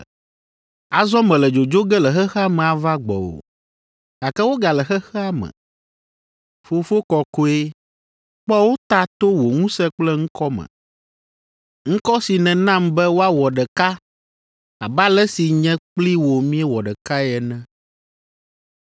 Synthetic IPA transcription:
a˨zɔ˦mɛ̃˨lɛ˨d͡ʒo˨d͡ʒo˦ɡɛ˦lɛ˨xɛ˦xɛ˦a˦mɛ̃˨a˨va˦ɡ͡bɔ̰˨wo̰˨ | a˨kɛ˦wo˦ɡa˨lɛ˨xɛ˦xɛ˦a˦mɛ̰̃˨ | fo˦fo˦kɔ˨ko˦e˦ | k͡pɔ˦wo˦t̪a˦t̪o˦wo˨ŋũ˦sɛ˦k͡plɛ˦ŋ̩̃˦kɔ˦mɛ̰̃˨ | ŋ̩̃˦kɔ˦si˨nɛ̃˨nã˦mbɛ˦wo˦a˦wɔ˨ɖɛ˨ka˦ | a˨ba˦lɛ˦si˨ɲɛ̃˦k͡pli˦wo˨mĩ˦ɛ˦wɔ˨ɖɛ˨ka˦ɛ˨nɛ̃˦

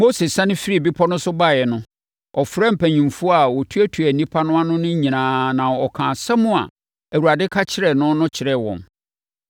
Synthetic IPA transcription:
mo˦se˨sã˦nɪ̃˦fi˦ɾi˦˨bi˦pʰɔ˦nʊ̃˦sʊ˦ba˦˨jɛ˨nʊ̃˦ | ɔ˨fɾɛ˦m̩˨pʰæ˨ɲĩ˨mfu˦a˨wɔ˨tʰu˦æ˦tʰu˨æ˨nĩ˦pʰa˦nʊ̃˦a˦nʊ̃˦nʊ̃˦ɲĩ˨nãː˨nã˨ɔ˨kʰãː˨sɛ˦mʊ̃˦a̰˨ | æ˨wu˨ɾa˨dɪ˦kʰa˦t͡ɕʰɪ˦ɾɛ˨nʊ̃˦nʊ̃˦t͡ɕʰɪ˨ɾɛ˦˨wɔ̰̃˨n

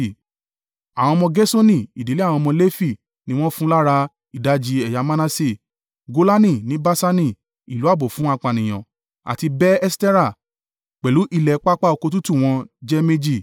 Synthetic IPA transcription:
a˨w̃ɔ̃˧mɔ̃˧ɡɛ˦so˦nĩ˦˨i˨di˨˦li˦a˦˨w̃ɔ̃˧mɔ̃˧le˦fi˦˨ | nĩ˦w̃ɔ̃˦fũ˦la˦ɾa˧ | i˨da˨˦d͡ʒi˧ɛ˨ja˨˧˦mã˦nã˦si˦˨ | ɡo˧la˦nĩ˦˨nĩ˨˦ba˦sa˦nĩ˦˨ | i˨lu˨˦a˦˨bo˨fũ˨˦a˧k͡pa˨nĩ˨j̃ɔ̰̃˨ | a̰˨ti˧bɛ˦ɛ˦stɛ˦ɾa˦˨ | k͡pɛ˨lu˨˦ʔi˧lɛ˨˦k͡pa˦k͡pa˦o˧ko˧t̬u˦tu˦˨w̃ɔ̃˧d͡ʒɛ˦me˦d͡ʒi˦˨

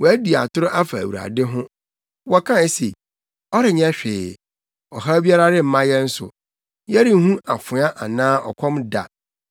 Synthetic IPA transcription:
wɔ˨æ˦di˨a̰˨tʊ˦ɾʊ˦ʔa˦fa˨æ̰˨wu˨ɾa̰˨dɪ˦ɦʊ̃˦ | wɔ˦kʰã˦˨˦se˨ | ɔ˦ɾɪ˨ɲɛ̃˦ɕᶣɪː˨ | ɔ˨ɦa˦bi˦a˦ɾa˦ɾɪ˦m̩˦mã˦jɛ˦n̩˦sʊ̰˨ | jɛ˦ɾi˦ɦũ˦ʔa˨fʊ̃˨a˦ʔa˨nãː˦ɔ̰˨kʷʰɔ̃˦mda̰˨

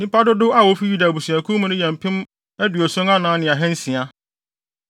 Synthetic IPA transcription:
nĩ˦pa˦dʊ˦dʊ˦a˦wɔ˨˦fi˦ju˦da˨bu˨sũ˨æ˨kʰu˦mũ˦nʊ̃˦jɛ̃˨m̩˨pʰɪ̃˦m | ɛ˦dɥɔ˨sɔ̃˦ŋa˦nãː˨˦nɪ̃˨a˨ɦɛ̃˦n̩˦sĩ˨a˨

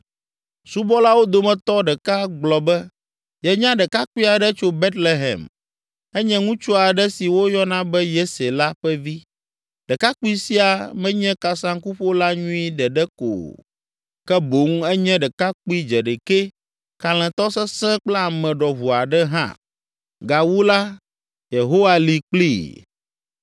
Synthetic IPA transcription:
su˦bɔ˦la˦wo˦d̪o˨mɛ̃˨t̪ɔ˦ɖɛ˨ka˦ɡ͡blɔ˨bɛ˦ | jɛ˨ɲã˦ɖɛ˨ka˦ki˦a˨ɖɛ˦t͡ʃo˦be˦t̪le˨ɦɛ̰̃˨m | ɛ˦ɲɛ̃˦ŋũ˦t͡ʃo˦a˨ɖɛ˦si˨wo˦jɔ˦nã˦bɛ˦je˦se˨la˦ɸɛ˦vi˦ | ɖɛ˨ka˦ku˦i˦si˦a˨mɛ̃˦ɲɛ̃˦ka˨sã˦ŋ˦ku˦ɸo˦la˦ɲũ˦i˦ɖɛ˨ɖɛ˦ko̰˨ | kɛ˦bo˨˦ŋu˦ɛ˦ɲɛ̃˦ɖɛ˨ka˦k͡pi˦d͡ʒɛ˨ɖe˨ke˦ | ka˨l̃ɛ̃˨t̪ɔ˦sɛ˦sɛ̃˦k͡plɛ˦a˨mɛ̃˨ɖɔ˨βu˨a˨ɖɛ˦ɦã̰˦ | ɡa˨wu˦la˦ | je˨ɦo˦wa˦li˨k͡plḭ˦˨

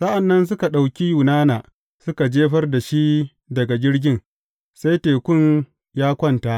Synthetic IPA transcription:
sa˦ʔa˨nːɐ˦ns̬ʊ˦ka˨ɗa˨wkʲi˦ju˨naː˦naː˨ | sʊ˦ka˨d͡ʒeː˦ɸɐ˦rda˨ʃi˦ | dɐ˨ɡa˨ɡʲɪ˦ɾɡʲɪ˦n | sa˦jteː˨kʷʊ˦n | jaː˦kʷɐ˦nta˦ʔ

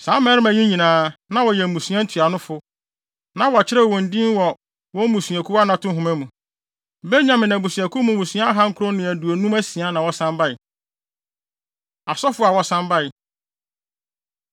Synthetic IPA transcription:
sãː˨˦mɛ˦ɾɪ˦mæ̃˨ɲĩ˦ɲĩ˨nãː˨˦nã˦wɔ˨jɛ˨m̩˨mũ˨sũ˨˦ɛ˦n̩˦tʰɥa˨nʊ̃˦fʊ˦ | nã˦wɔ˨t͡ɕʰɪ˦ɾɛ˦˨wɔ̃˨n̩˨dĩ˦n˦wɔ˨ | wɔ̃˦mũ˨su˨æ˨kʰu˦a˦nã˨tʰʊ̃˦ɦʊ̃˨mæ̃˦mũ˨ | be˦ɲã˨mɪ̃˨næ̃˨bũ˨sũ˨ɛ˨kʰu˦mũ˨mũ˨su˦a˦a˦ɦa˦ŋ̩˦kʰʊ˦ɾõ˦nʊ̃˨æ˨du˨o˨nũ˦mæ˦sĩ˨a˦nã˨wɔ˦sã˦mba˦ɪ˨ | a˨sɔ˦fʊ˦a˨wɔ˨sã˦mba˦ɪ˨

